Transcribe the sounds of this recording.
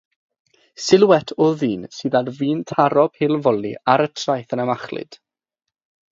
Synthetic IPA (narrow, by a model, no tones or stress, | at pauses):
sɪlwɛtʰɔðiːnsɨːðarviːntʰaɾɔb̥hɪlˠvɔlˠḭaɾətʰrajθənamaχlɨ̰d̥